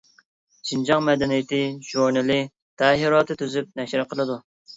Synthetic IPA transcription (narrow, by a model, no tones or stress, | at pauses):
t͡ʃʰind͡ʒɑŋmɛd̪ɛnijɪt̪ɪʒuɾnɨlɨ | t̪ʰɛɦiɾɑːt̪ʰɨt̪ʰyzyp̚nɛʃɾɨqʰəlˠɨd̪u